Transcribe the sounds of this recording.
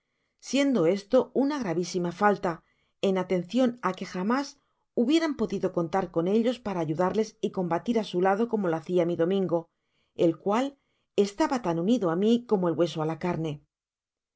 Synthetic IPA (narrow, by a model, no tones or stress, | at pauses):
sje̞nd̪o̞e̞st̪o̞unaɣ̞ɾaβisimafalt̪a | e̞nat̪e̞n̟θjo̞nake̞xamas | uβje̞ɾampo̞ðiðo̞ko̞nt̪aɾko̞ne̞ʎo̞spaɾaːʝuðaɾle̞siko̞mbat̪iɾasulaðo̞ko̞mo̞laθiamiðo̞mĩŋɡo̞ | e̞lkwal | e̞st̪aβat̪anuniðoamiko̞moelɣwe̞so̞alakaɾne̞